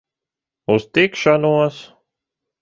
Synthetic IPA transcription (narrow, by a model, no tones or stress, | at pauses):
ust̪ikʃanuɔs